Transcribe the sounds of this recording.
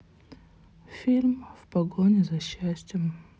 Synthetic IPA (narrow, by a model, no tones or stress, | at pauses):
fʲilʲmvpɐɡonʲɪzɐɕːæsʲtʲjɪm